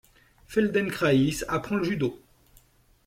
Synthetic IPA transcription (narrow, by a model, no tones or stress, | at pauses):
fɛld̪ɛnkχaisapχɑ̃ləʒyd̪o